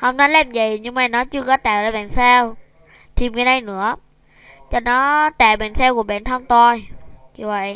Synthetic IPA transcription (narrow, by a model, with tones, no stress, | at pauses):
hə˧˩wŋ͡mnɔ˨˦lɛː˧mzə˨˩˨jɲɨ˧ŋmaː˨˩nɔ˨˦t͡ɕɨ˧əkɔ˨˦t̪aː˨˩wzaː˧˩ɓa̰ː˧˨nsaː˧w | t̪ʰi˨˩mkə˨˦na˧jnɨ̰˧˥ə | t͡ɕɔ˧nɔ˨˦t̪aː˨˩wɓa̰ː˧˨nsɛː˧wku˧˩əɓa̰ː˧˨nt̪ʰə˧ŋt̪ɔ˧jki˧˩və̰˧˨j